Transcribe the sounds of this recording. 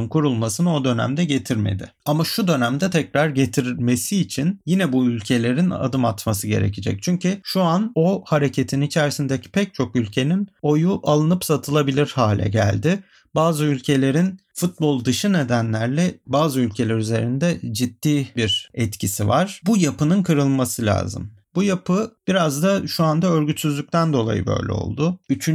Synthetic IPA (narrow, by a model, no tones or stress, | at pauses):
nkʰuɾulˠmasɯnɯo̞d̪ø̞næ̰md̪ɛɟe̞t̪ʰiɾme̞̰d̪ɪ̰ | amaʃud̪ø̞næmd̪ɛt̪ʰɛcɾaɾɟe̞t̪ʰiɾme̞siːt͡ʃʰinjinɛbuylʲcʰe̞lʲe̞ɾina̰d̪ɯmat̪masɯɟe̞̰ɾe̞̰cʰid͡ʒɛ̰c̚t͡ʃʰyɲcʰyʃuano̞haɾe̞cʰe̞t̪ʰinit͡ʃʰæɾsind̪ecʰi̥pʰɛc̚t͡ʃʰo̞kylʲcʰe̞nino̞juʔalˠɯnɯpsat̪ʰɯlˠabilʲiɾhaːlʲɛ̰ɟæ̰lʲd̪ɪ | baːzɯylʲcʰe̞lʲe̞ɾinfut̪̚bo̞lˠd̪ɯʃɯne̞d̪ænlʲæɾlʲɛbaːzɯylʲcʰe̞lʲæɾyze̞ɾind̪ɛd͡ʒid̪ːiːbiɾɛt̪cʰisivaɾ̥bujapɯnɯnkʰɯɾɯlˠmasɯlʲa̰ːzɯ̰m | bujapʰɯb̥iɾazd̪aʃuand̪aø̞ɾɟyt̪syzlʲyc̚ʲt̪ʰænd̪o̞lˠa̰jɯ̰bø̰jlʲɛ̰o̰lˠd̪ʊyt͡ʃʰy